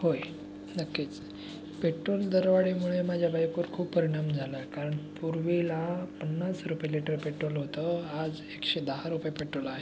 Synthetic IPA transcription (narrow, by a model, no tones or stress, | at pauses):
hoj | nəkːet͡s | peʈɾold̪əɾʋaɭimuɭemad͡ʑʱjabajkoɾkʰuːppːəɾiɽ̃amd͡zʱaləkaɾəɳpuɾʋilapənːasɾupjeliʈəɾpeʈɾolɦot̪əad͡z | ekɕed̪əɦaɾupjepeʈɾolaɦe